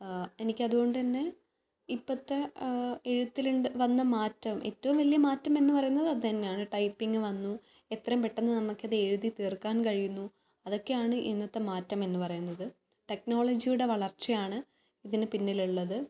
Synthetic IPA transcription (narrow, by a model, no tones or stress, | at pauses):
e̞nikʲːɐðuɣo̞ɳɖɨt̪ɐnːe̞ | ipːɐt̪ːeeɻut̪ːiluɳɨʋɐnːɐmaːtːɐmʔḛtːɐʋumʋɐlijɐmaːtːɐme̞nːɨpɐrɐjunːɐðɨɐðɨt̪ɐnːejaːɳɨʈɐjpːiŋɡɨʋɐnːu | e̞t̪rɐmpe̞ʈːenːɨnɐmːukʲːɐðɨeɻuðit̪eːrkːaːnkɐɻijunːu | ɐðo̞kːe̞jaːɳɨʔinːɐt̪ːɐmaːtːɐme̞nːɨpɐrɐjunːɐðɨ | ʈe̞kno̞ːɭɐd͡ʑijuɽe̞ʋɐɭɐrt͡ɕːɐjaːɳɨ | iðinɨpinːiluɭːɐðɨ